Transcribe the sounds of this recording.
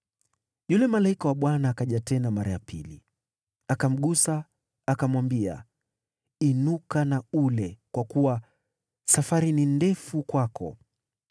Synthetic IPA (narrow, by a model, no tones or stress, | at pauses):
ʄulɛmalaikɔwaɓwanaːkaʄatɛnamaɾajapili | akam̩ɠusaː | kamwambia̰ | inukanaulɛkwakuwa | safaɾinindɛfukwakʰɔ̰